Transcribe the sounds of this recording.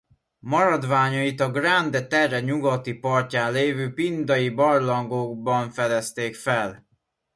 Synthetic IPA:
mɒɾɒd̪ʋaːɲɒit̪ɒɡrand̪ɛt̪ɛrːɛɲuɡɒt̪ipɒrcaːnleːvøːpind̪ɒjibɒrlɒŋɡoːɡbɒɱfɛd̪ɛst̪eːkfɛl

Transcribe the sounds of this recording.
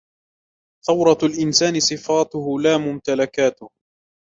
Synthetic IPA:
θɑwɾˤɑalʔɪnsaːnɪsˤɨfaːt̪ʊhʊlaːmʊmt̪alakaːt̪ʊh

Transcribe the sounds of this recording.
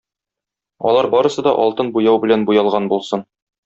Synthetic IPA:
ɒ̰lˠɑɾbɒɾɤ̆sɤ̆d̪ɒʔɒlˠt̪ɤnbujɑwbɘ̆lænbujɑlˠʁɑnbulˠsɤn

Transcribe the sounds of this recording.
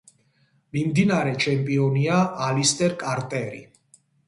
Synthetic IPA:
mimd̪inaɾɛt͡ʃʰɛmpʼiɔniaːlist̪ʼɛɾkʼaɾt̪ʼɛɾḭ

